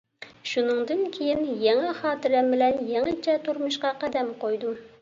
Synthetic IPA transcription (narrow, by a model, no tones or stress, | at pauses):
ʃunɨŋd̪ɨnkʲʰejinjɛŋɛχɑːt̪ɪɾɛmbɪlɛnjɛŋɨt͡ʃʰɛt̪ʰuɾmʊʃqɑqæd̪ɛmqʰojd̪u